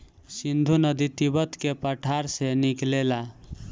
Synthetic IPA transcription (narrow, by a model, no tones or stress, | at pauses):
sind̪ʱunəd̪it̪ibət̪kepəʈʰaɾseniklela